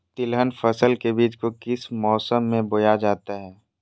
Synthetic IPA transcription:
t̪ɪlɦənfəsəlkebiːt͡ʃkokɪsmɔːsəmːẽbojad͡ʒaːt̪aɦɛː

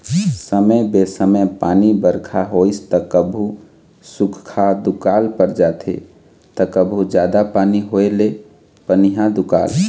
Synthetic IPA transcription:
səməjbesəməpanibəɾkʰaɦojst̪əkəbʱu | sukʰkʰad̪ukalpəɾd͡ʒat̪ʰḛ | t̪əkəbʱud͡ʒjad̪apaniɦoele | pəniɦãd̪ukal

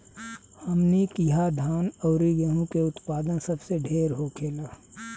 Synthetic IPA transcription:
həmnikiɦad̪ʱaːnɔʊɾiɡəɦũkeʊt̪paːd̪ənsɐbseɖʱeːɾɦokʰeːlaː

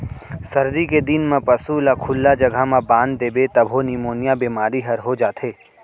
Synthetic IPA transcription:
sɐɾd̪iked̪inmãpɐsulakʰʊlːad͡ʒɐɡʱamãbãːnd̪d̪eːbet̪ɐbʱonimoːnijabeːmaːɾiɦɐɾɦod͡ʒaːt̪ʰɦeː

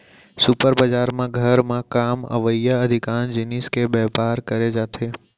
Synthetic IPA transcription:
sʊpəɾbəd͡ʒaɾmãɡʱəɾmãkamə̰ʋəjəəd̪ʱikand͡ʒɪniskebɛɦpaɾkəɾed͡ʒat̪ʰe

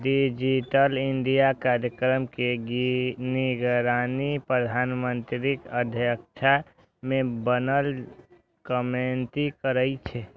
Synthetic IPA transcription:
ɖid͡ʒiʈəliɳɖijakaɾjəkɾəmkeɡniɡəɾanipɾəd̪ʱanmənt̪ɾikəd̪ʱjəkt͡ʃʰa | mẽbənəl | kəment̪ikəɾəɪt͡ʃʰɛ

